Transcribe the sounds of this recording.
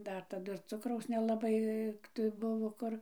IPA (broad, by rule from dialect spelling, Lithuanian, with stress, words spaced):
ˈdɐr tɐˈdʊ ɪr ˈt͡sʊkrɐʊs nʲɛlˠɐˈbɐɪ tɐɪ ˈbʊʋoː ˈkʊr